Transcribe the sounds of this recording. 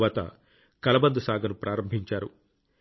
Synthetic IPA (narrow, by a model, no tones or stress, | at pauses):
ʋaːt̪ɐ̰ | kɐlɐbɐnd̪usaːɡɐnupɾʔaːɾɐmbʱiɲt͡ʃaːɾṵ